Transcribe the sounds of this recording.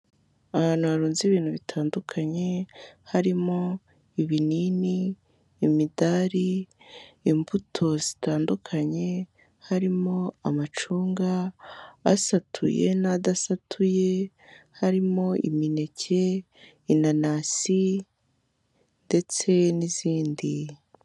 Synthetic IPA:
ahaːn̥huβaɾuːnziβiːn̥huβitʰaːndukʰaɲe̞haɾimo̞ | iβininiː | midaɾiː | mbutʰo̞zitaːndukʰaɲe̞ | haɾimo̞amat͡ʃuːŋɡaː | satʰṵje̞̰nadasatʰuje | haɾimo̞ḭmine̞cʰe̞ | inanasi | nde̞t͡se̞niziːndi

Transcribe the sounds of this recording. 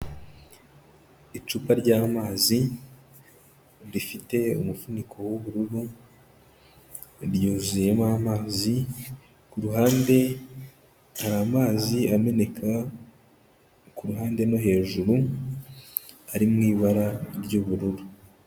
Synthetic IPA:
it͡ʃuːpaɾɟaːmaːzi | ɾifite̞ṵmufunikʰo̞woβuɾuɾu | ɾjuːzuje̞mamaːzi | kuɾuɦaːnde̞ | haɾamaːziame̞ne̞kʰa | kuɾuɦaːnde̞no̞ɦe̞ːʒuɾu | aɾimŋiːβaɾaɾɟuβuɾuɾu

